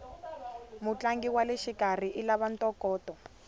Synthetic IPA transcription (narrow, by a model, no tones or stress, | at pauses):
mut͡ɬaŋɡiwaleʃikar̤iʔilaβantʼɔkɔːtɔ